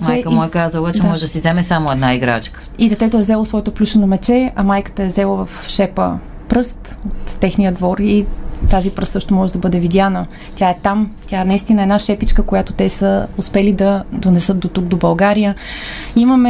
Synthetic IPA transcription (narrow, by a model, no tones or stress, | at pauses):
mɛjkəmɔɛkazəlˠət͡ʃɛmɔʒɛd̪ɐsizɛmɛsamoɛd̪naiɡɾa̰t͡ʃkə̥id̪ɛt̪ɛt̪oɛzɛlˠosvɔɛt̪oplʲuʃɛnomɛt͡ʃɛɐmajkə̥t̪əɛzɛlˠəvəfʃɛpə̰ | pɾɤst̪ot̪ːɛxnijəd̪vɔɾit̪azipɾɤst̪ɤʃt̪omɔʒɛd̪ɐbɤd̪ɛvid̪janə | tʲjaɛt̪amt̪ʲjaɛnɐist̪inəɛd̪naʃɛpit͡ʃkəkojat̪ot̪ɛsəʊspɛlid̪ɐd̪onɛsɤt̪̚d̪ot̪uɡ̚d̪obɐlˠɡaɾijəimɐmɛ